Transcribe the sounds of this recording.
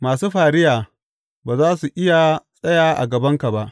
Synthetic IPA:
maː˨suː˦ɸaː˨ɾɪ˦jaː˨ | baː˨zaː˦su˨ʔɪ˦ja˨sʼɐ˦jaː˨ʔa̰˨ɡɐ˨bɐ˦ŋka˨ba˦ʔ

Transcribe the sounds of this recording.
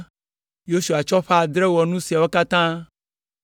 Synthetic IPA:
jo˦su˨a˨t͡ʃɔ˦ɸa˦˨d̪ɾɛ˦wɔ˨nũ˦si˨a˨wo˦ka˦t̪ã˦

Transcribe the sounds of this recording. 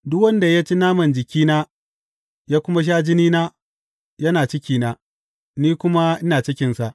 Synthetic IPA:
dʊ˦kwɐ˦nda˨ja˦t͡ʃe˦naː˦mɐ˨nd͡ʒɪ˨kʲiː˦naː˦ | jaː˦kʷʊ˦ma˦ʃ̬aː˦d͡ʒɪ˦niː˦naː˦ | jɐ˦naː˨t͡ʃɪ˦kʲiː˦naː˦ | niː˦kʷʊ˦ma˦ʔɪ˦naː˨t͡ʃɪ˦kʲɪ˨nsa˨ʔ

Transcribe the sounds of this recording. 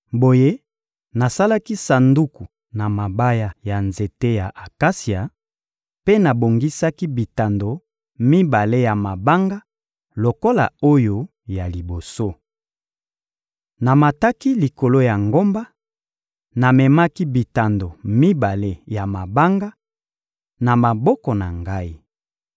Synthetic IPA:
bo˨je˦ | na˨sa˦la˦ki˦sa˨ndu˦ku˨ | na˨ma˨ba˦ja˦ja˨nze˨te˦ja˨ʔa˨ka˦si˨a˨ | pe˦na˨bo˨ŋɡi˦sa˦ki˦bi˨ta˨ndo˨ | mi˦ba˨le˦ja˨ma˨ba˦ŋɡa˦ | lo˨ko˦la̰˨o˦jo˦ | ja˨li˨bo˨so˦ | na˨ma˨ta˦ki˦li˨ko˨lo˦ja˨ŋɡo˦mba˦ | na˨mɛ˨ma˦ki˦bi˨ta˨ndo˨mi˦ba˨le˦ja˨ma˨ba˦ŋɡa˦ | na˨ma˨bɔ˦kɔ˨na˨ŋɡa˦i˦

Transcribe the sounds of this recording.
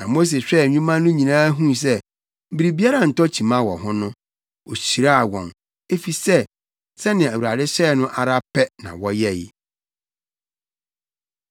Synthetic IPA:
nã˨mo˦s̬e˨ɕᶣɛ˦˨ɲũ˦mã˦nʊ̃˦ɲĩ˨nãː˦ɦũ˦˨s̬ɛ˦ | m̩˦bi˨ɾi˨bi˦a˦ɾa˦n̩˨tɔ˦t͡ɕʰi˨mã˦wɔ̰˨ɦʊ̃˦nʊ̃˦ | o˨ɕi˨ɾa˦a˨wɔ̰̃˨n | e˦fi˨sɛ˦ | sɛ˦nɪ̃˨æ˨wu˨ɾa˨dɪ˦ɕɛː˦˨nʊ̃˦ʔa˨ɾa˦pʰɛ˦nã̰˨wɔ˦jɛ˦jɪ˨

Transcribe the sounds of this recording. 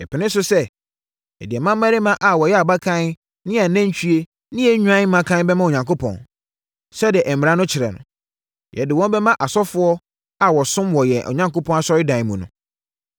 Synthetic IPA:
ɛ˨pʰɪ˨nɪ̃˦s̬ʊ˦sɛ˦ | ɛ̰˨dɪ˨ɛ˨mã˦mː˦a˦ɾɪ˦mã˦ʔa˨wɔ˨jɛ˦a˨ba˦kʰã˦n˦ | nɪ̃˦a˨nã˦ɲ̩˦t͡ɕʰᶣy˦e˦ | nɪ̃˦jɛ˦ɲᶣu˦ã˦mã˨kʰã˦bɛ˦mã˦o˨ɲã˨ŋkʰo˦pʰɔ̰̃˨n | sɛ˦dɪ˨ɛ˨ʔɛ˨m̩ɪ˨ɾã˦nʊ̃˦t͡ɕʰɪ˨ɾɛ̰˨nʊ̰̃˨ | jʔɛ̰˨dɪ˨wɔ̃˦m˦bɛ˦mã˦ʔa˨sɔ˦fʊ˦ɔ˦ | a˨wɔ˨sʊ̃˦mwɔ˨jɛ˨ʔɔ̰˨ɲã˦ŋko˦pʰɔ̃˦na˨ɕɔ˦ɾɪ˦dã˨mũ˨nʊ̰̃˨

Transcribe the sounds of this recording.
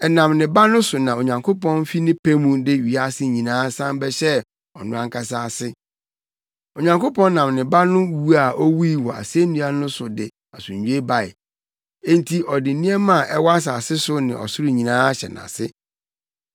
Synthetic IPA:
ɛ˨nã˨mnɪ̃˨ba˦nʊ̃˦sʊ˨nã˨o˨ɲã˨ŋkʰo˦pɔ̃˦n˦fi˦nɪ̃˦pʰe˦mũ˦dɪ˦ɥi˨a˦sɪ˦ɲĩ˨nãː˦sã˦mbɛ˦ɕɛ˦ | ɔ˨nʊ̃˦ã˦˨ŋkʰa˦saː˦˨sɪ˦ | o˨ɲã˨ŋkʰo˦pɔ̃˦n˦nã˨mnɪ̃˨ba˦nʊ̃˦wu˦a˨ʔɔ˦wu˦i˦˨wɔ˨a̰˨se˦nũ˦a˦nʊ̃˦sʊ˨dɪ˨ | a˨sʊ˨ɲ̩˨ɲᶣũ˦e˦ba˨ɪ̰˨ | ẽ˦n˦tʰi˦ʔɔ˨dɪ˨˦nĩ˦ɛ˦mã˦˨ʔɛ˦wɔ˦a˦s̬a˨sɪ˦sʊ˦nɪ̃˨ʔɔ̰˨sʊ˦ɾɪ˦ɲĩ˨nãː˦ɕɛ̰˨nã̰˨sɪ̰˦

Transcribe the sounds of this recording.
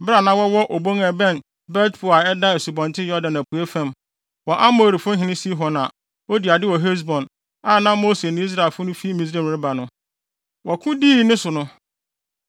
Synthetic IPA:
bɪ˦ɾa˨nã˦wɔ˦wɔ˦ʔo˨bo˦ŋɛ˨bɛ̃˦˨n | bɛ˦tpʰʊ˨a˨ɛ˦da˦e˨su˨bɔ̃˨ntʰɪ˦jɔ˦dã˨næ˨pʰu˨e˦fɛ̃˦m | wɔ˨ʔa˦mo˨ɾi˨fʊ̃˦ɦɪ̃˨nɪ̃˦si˦ɦɔ˨na˨ | o˦di˨a˨dɪ˦wɔ˨ɦe˦s̬bɔ̃˨n | a˦˨nã˦mo˦se˨nʊ̃˦i˦s̬ɾa˨e˨lfʊ˦nʊ̃˦fi˦mĩ˨s̬ɾẽ˦˨ɾɪ˦ba˨nʊ̃˦ | wɔ˨kʰʊ̃˦diː˦nɪ̃˦sʊ˨nʊ̃˦

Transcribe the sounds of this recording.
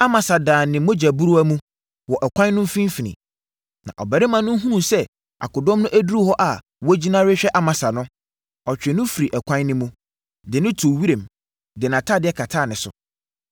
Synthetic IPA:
a˦mã˨sa˨dãː˨nɪ̃˨mʊ̃˦d͡ʑæ˨bu˦ɾu˦æ˦mũ˦ | wɔ˨ʔɛ˨kʷʰã˦nː˦ʊ̃˦fĩ˦fi˨nḭ̃˨ | nã̰˨ʔɔ̰˨bæ˨ɾɪ˦mã˨nːʊ̃˦ɦũ˦nũ˨sɛ˦ | a̰˨kʊ˨dɔ̃˦mnʊ̃˦ʔæ˦du˦ɾu˦hɔ˦ʔa˨ | wɔ˦d͡ʑi˦nã˦ɾɪ˦ɕᶣɛ˦ʔa˦mã˨sa˨nʊ̃˦ | ɔ˨t͡ɕᶣɪ˨nʊ̃˦fi˨ɾi˨ʔɛ˨kʷʰã˦nːɪ̃˦mũ˦ | dɪ˨nɪ̃˦tʰu˨wi˦ɾẽ˨m | dɪ˨nã˨tʰa˦˨dɪ˦ɛ˦kʰa˨tʰaː˦˨nɪ̃˨sʊ̰˨

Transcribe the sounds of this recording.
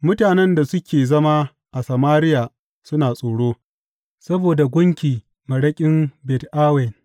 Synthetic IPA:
mʊ˦taː˨nɛ˦nda˨sʊ˦kʲeː˨zɐ˦ma˦ | ʔa˨sɐ˨maː˦ɾɪ˦jaː˨ | sʊ˦naː˨sʼoː˨ɽoː˦ | sɐ˦boː˨da˨ɡʷʊ˦ŋkʲiː˨ | mɐ˨ɽɐ˦kʲʼɪ˦mbɛ˨tʔaː˦wɛ˨n

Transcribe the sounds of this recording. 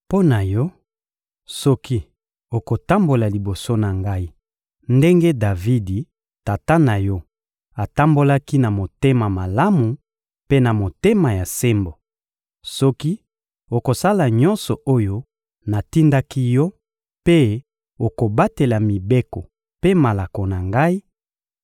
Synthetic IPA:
po˦na˨jɔ˦ | sɔ˦ki˦ | o˨ko˨ta˦mbo˨la˨li˨bo˨so˦na˨ŋɡa˦i˦ | nde˦ŋɡe˦da˨vi˦di˨ | ta˨ta˦na˨jɔ˦ | a˨ta˦mbo˦la˦ki˦na˨mo˨te˦ma˨ma˨la˦mu˨ | pe˦na˨mo˨te˦ma˨ja˨se˦mbo˨ | sɔ˦ki˦ | o˨ko˨sa˦la˨ɲɔ˦nsɔ˨ʔo˦jo˦ | na˨ti˦nda˦ki˦jɔ˦ | pe˦ | o˨ko˨ba˦te˨la˨mi˨be˦kɔ˨ | pe˦ma˨la˨ko˨na˨ŋɡa˦i˦

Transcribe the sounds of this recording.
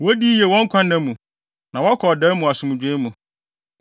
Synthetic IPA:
wɔ˦di˦je˨wɔ̃˦ŋ̩˦kʷʰã˦nɛ̃˦mũ˨ | nã˨wɔ˦kʰɔ˨dɛ˦mũ˨a˨sʊ˨mũ˨d͡ʑᶣe˦mũ˨

